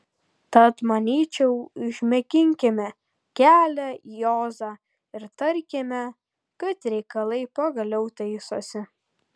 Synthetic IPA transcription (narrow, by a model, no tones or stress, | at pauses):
t̪ɐt̪mɐnʲiːt͡ʃʲɛʊɪʒʲmʲɛkʲɪŋʲkʲɪmʲɛ | kʲæːlʲɛjoːzɑː | ɪɾt̪ɐɾʲkʲɪmʲɛ | kɐt̪ɾʲɛɪkɐlˠɐɪpɐɡɐlʲɛʊt̪ɐɪsoːsʲɪ